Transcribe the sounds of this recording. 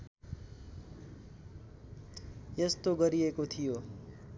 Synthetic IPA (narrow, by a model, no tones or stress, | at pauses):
jest̪oɡʌɾiekot̪ʰijo